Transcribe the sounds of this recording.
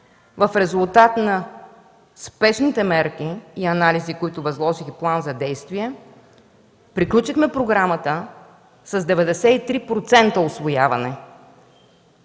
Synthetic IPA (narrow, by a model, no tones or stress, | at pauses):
vɐfɾɛzʊlˠt̪at̪nɐ | spɛʃnit̪ɛmɛɾk̟iːɐnalizikoit̪ʊvɐzlˠɔʒixplˠanzɐd̪ɛjst̪viɛ | pɾiklʲut͡ʃixmɛpɾoɡɾamət̪ə | sɐzd̪ɛvɛd̪ɛsɛit̪ɾipɾot̪sɛnt̪əʊsvoja̰vɐnɛ